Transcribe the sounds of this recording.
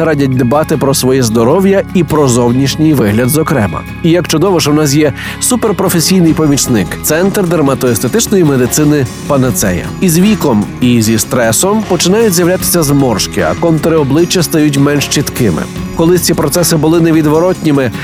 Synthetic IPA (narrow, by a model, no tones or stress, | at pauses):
ɾɑdʲɐt̚ʲd̪ebɑt̪ɪpɾɔsʋɔjɛzd̪ɔɾɔwjɐipɾɔzɔwnʲiʃnʲɪjʋɪɦlʲɐd̪zɔkɾɛ̰mɐ̰ | ijɐkt͡ʃɔd̪ɔʋɔʃɛwnɑs̬jɛ | superpɾɔfesʲijnɪjpɔmʲit͡ʃnɪkt̪sɛnt̪rd̪ɐrmɐt̪ɔest̪et̪ɪt͡ʃnɔjimed̪ɪt̪sɪnɪ | pɐnɐt̪sɛ̰jɐ̰izʋʲikɔmizʲist̪ɾɛsɔmpɔt͡ʃɪnɑjʊtʲzʲjɐʋwlʲat̪ɪ̥sʲɐzmɔrʃkɪɐ̰kɔnt̪ɾɪɔblˠɪt͡ʃːɐst̪ɐjut̬ʲmɛnʃt͡ʃit̪kɪmɪ̰kɔlˠɪt͡sʲipɾɔt̪sɛsɪbʊlˠɪneʋʲid̪ʋɔɾɔtʲnʲɪmɪ